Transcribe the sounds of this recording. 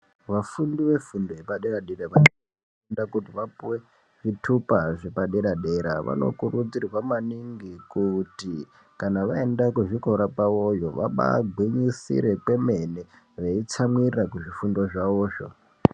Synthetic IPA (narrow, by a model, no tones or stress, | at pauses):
ʋafundiʋe̞fundojepaɗeɾaɗeɾaʋani | undakutiʋapuwe̞ | ʐitʰupaʐepaɗeɾaɗe̞ɾaʋa̰no̞̰kurud͡zirwamaniŋɡikuti | kanaʋaendakuʐiko̞ɾapawo̞jo̞ʋa̰ɓa̰ɡʱwiɲisḭɾe̞kwe̞me̞ne | ʋeit͡samwirakuʐifundo̞ʐaoːʐo̰